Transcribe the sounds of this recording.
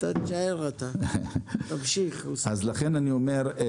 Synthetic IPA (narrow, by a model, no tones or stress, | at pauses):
t̪at͡ʃaeʁat̪a | t̪amʃiχazlaχenaniomeʁ